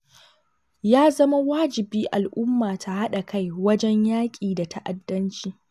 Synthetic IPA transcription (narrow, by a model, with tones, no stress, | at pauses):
jaː˦zɐ˦ma˦waː˦d͡ʒɪ˨biː˦ʔa˨lʔʊ˦mːaː˨tʰa˨ha˦ɗa˨kʰa˦jwɐ˦d͡ʒɛ˦ɲjaː˦kʲʼiː˨da˨tʰa˦ʔa˨dːɐ˦nt͡ʃiː˨